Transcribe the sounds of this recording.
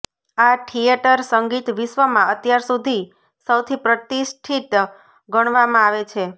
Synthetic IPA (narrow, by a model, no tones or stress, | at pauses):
aʈʰijeʈəɾsəŋɡit̪ʋiʃʋəmãət̪jaɾsud̪ʱi | səwt̪ʰipɾət̪isʈʰit̪ | ɡəɽ̃ʋamãaʋet͡ʃʰe